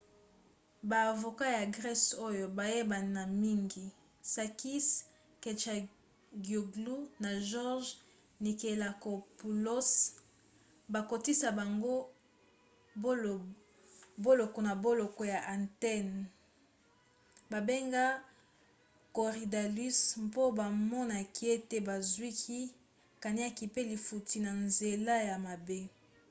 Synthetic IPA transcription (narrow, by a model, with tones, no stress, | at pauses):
baː˨vo˨ka˦ja˨ɡʁɛ˦so˦jo˨ba˨je˦ba˨na˨mi˦ŋɡi˨ | sa˨ki˦s | ke˨t͡ʃa˨ | ɡo˨ɡlu˦na˨ʒɔ˦ʁʒ | ni˨ke˨la˨ko˨pu˨lo˦s | ba˨ko˨ti˦sa˨ba˨ŋɡo˦ | bo˦lo˨kɔ˨na˨bo˦lo˨kɔ˨ja˨ʔa˨ntɛ˦n | ba˨be˦ŋɡa˦ | ko˨ʁi˨da˨li˦smpo˦ba˨mɔ˦na˨ki˦e˦te˦ba˨zwi˦kʰi˦ | ka˨ni˦a˦ki˨pe˦li˨fu˨ti˨na˨nze˨la˦ja˨ma˨be˦